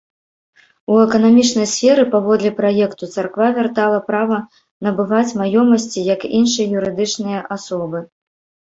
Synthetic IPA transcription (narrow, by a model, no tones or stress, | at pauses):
uɛkɐnamʲit͡ʂnɐjsʲfʲɛɾɨpavɔd̪lʲɛpɾajɛkt̪ut̪sarkvavʲart̪alˠɐpɾavɐ | nɐbɨvat͡sʲmajɔmɐsʲt͡sʲijɐkinʂɨjjuɾɨd̪ɨt͡ʂnɨjɐʔasɔbɨ